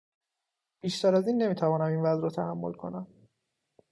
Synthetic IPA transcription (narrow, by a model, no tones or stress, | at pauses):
b̥iːʃt̪ʰæɾæziːnːe̞miːt̪ʰævɒːnæminvæzɾɒt̪ʰæhæmːo̞̰lkʰo̞̰næm